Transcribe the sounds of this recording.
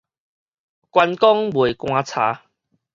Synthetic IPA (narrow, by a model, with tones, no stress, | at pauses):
kwa˧nkɔ˦ŋbwe˨˩kw̃ãː˧t͡sʰa̰ː˨˦